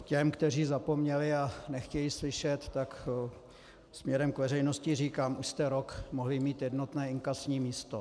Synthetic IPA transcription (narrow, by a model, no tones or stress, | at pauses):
cɛmkt̪ɛriːzapo̞mɲɛlɪanɛxcɛjislɪʃɛt̪ːak | smɲɛɾɛmkvɛrɛjno̞scɪriːkaːmʔuʃst̪ɛɾo̞kmoɦlɪmiːt̪jɛdno̞t̪nɛːɪŋkasɲiːmiːst̪o